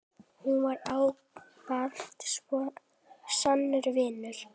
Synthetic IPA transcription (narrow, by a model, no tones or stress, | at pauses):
hunvaɾaːw | pal̥t̪skɔ | sanːʏɾvɪːnʏɾ̥